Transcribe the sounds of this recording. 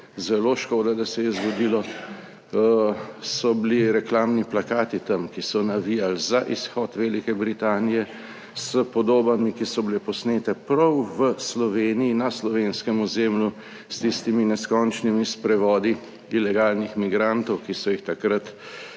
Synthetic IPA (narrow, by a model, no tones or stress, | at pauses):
zɛloʃkoːd̪ad̪asɛjɛzɡɔd̪ilɔ | sɔbliɾɛklaːmniplakaːt̪it̪ɐmkisɔnaʋijalzaʔisxɔt̪ʋɛlikɛbɾit̪aːnijɛ | səpɔd̪oːbamikisɔblepɔsneːt̪ɛpɾɐwʋəslɔʋeːnijinaslɔʋenskɛmɔzeːmlju | st̪ist̪iminɛskɔnt͡ʃnimispɾɛʋɔːd̪i | ilɛɡaːlnixmiɡɾant̪ɔwkisɔixt̪akɾat̪